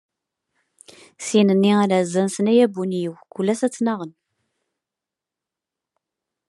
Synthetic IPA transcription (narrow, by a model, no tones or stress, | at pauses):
sinənːiaɾazːænsənæjæbunjiwkulːæsæt͡sːnɑʁən